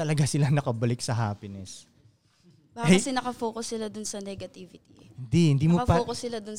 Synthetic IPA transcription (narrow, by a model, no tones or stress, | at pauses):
ɐlɐɡasɪlanɐkɐbɐlɪk̚sɐɦaːpɪnɛs | baːɐsɛnɐkɐfoːkʊsːɪlad̪ʊnsɐnɛɡɐt̪iːvɪt̪ihɪnd̪ihɪnd̪iːmoɐpɐkʊssːɪlad̪ʊn